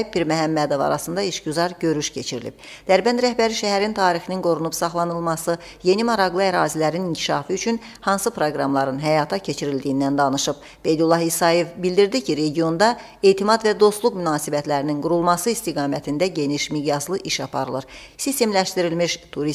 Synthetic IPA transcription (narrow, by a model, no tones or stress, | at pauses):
biɾmæɦæmːæd̪o̞vɑ̰ɾɑsɯnd̪ɑiʃɟyzɑɾɟø̞ɾyʃcʰe̞t͡ʃʰiɾilḭb̥̚d̪̥æɾbænɾæhbæɾiʃæɦæɾint̪ʰɑːɾixininɡo̞ɾunupsɑχlˠɑnɯlˠmɑsɯ | je̞nimɑɾɑɣlˠɯæɾɑːzilæɾiniɲcʰi̥ʃɑːfɯyt͡ʃʰyn | hɑnsɯpʰɾoɡɾɑmlˠɑɾɯnɦæjɑːt̪ʰɑcʰe̞t͡ʃʰiɾilʲd̪ijind̪ænd̪ɑnɯʃɯb̥̚ | b̥e̞jd̪ulˠːɑhisɑje̞vbild̪iɾd̪icʰiɾe̞ɟijo̞nd̪ɑ | e̞jt̪ʰimɑd̪væd̪o̞st̪lˠukmynɑːsibæt̪læɾininɡuɾulˠmɑsɯist̪iɡɑːmæt̪ʰind̪æɟe̞niʃmiɡjɑslˠɯʔiʃɑpʰɑ̰ɾɯlˠɯɾ | sist̪e̞mlæʃt̪iɾilmiʃt̪ʰuɾi